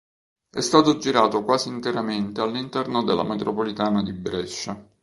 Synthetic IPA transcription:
ɛ̰st̪aːt̪od͡ʒiɾaːt̪okwaːziːnt̪eɾament̪ealːint̪ɛrnod̪elːa̰met̪ɾopolit̪aːnad̪ibɾɛʃːa

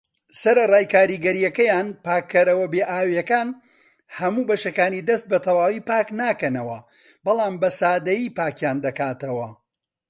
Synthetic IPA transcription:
sɐɾɐrˤaːjkaːɾiɡɐɾijɐkɐjaːnpaːkʰːɐɾɐwɐbeːʔaːwjɐkaːn | hɐmuːbɐʃɐkaːnid̪ɐst̪̚bɐt̪ʰɐwaːwiːpaːknaːkɐnɐwɐ | bɐlˠaːmbɐsaːd̪ɐjiːpaːkjaːnd̪ɐkaːt̪ɐwɐ

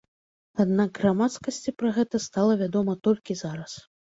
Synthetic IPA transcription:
ad̪naɡɣramat̪skɐsʲt͡sʲipɾɐɣɛt̪ɐst̪alˠɐvʲad̪ɔmɐt̪ɔlʲkʲizaɾɐs

